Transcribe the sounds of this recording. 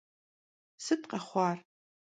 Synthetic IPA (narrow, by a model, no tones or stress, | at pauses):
sɨtqɐχʷɑːr